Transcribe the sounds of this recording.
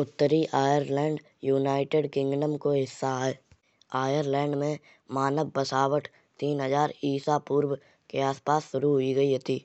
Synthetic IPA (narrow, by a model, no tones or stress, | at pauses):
ʊt̪ːəɾiʔaːjəɾlɛ̃ːɳɖ | juːnaːɪʈeːɖkɪ̃ŋɡɖəmkoɦɪsːae | aːjəɾlɛ̃ːɳɖmẽ | maːnəbbəsaːwəʈ | t̪iːnɦəzaːɾiːsapuːɾw | keaːspaːsːʊɾuɦʊiɡɐiɦɛt̪iː